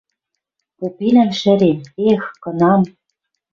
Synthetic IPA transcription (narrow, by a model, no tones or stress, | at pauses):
popinæmʃɘ̆ɾemexkɤ̆nɑm